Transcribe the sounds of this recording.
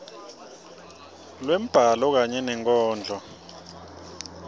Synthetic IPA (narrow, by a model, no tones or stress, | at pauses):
lwem̩b̥ʱalɔk̬aɲɛnɛŋkʼɔːnd͡ʒʱɔ